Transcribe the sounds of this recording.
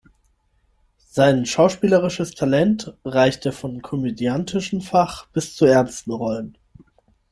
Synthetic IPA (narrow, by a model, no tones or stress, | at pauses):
z̥aɪnʃaʊʃpiːləʁ̞ɪʃəstʰalɛntʁaɪçteːɐfɔnkʰɔmedjantʰɪʃm̩faχb̥ɪst͡suɛɐnstn̩ʁɔlən